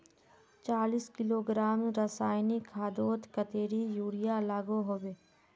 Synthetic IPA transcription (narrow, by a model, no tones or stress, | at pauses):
t͡ʃaːliskɪloːɡɾaːmɾəsaːɪnikʰaːd̪oːt̪kət̪eːɾijuːɽɪjalaːɡoɦoːbeː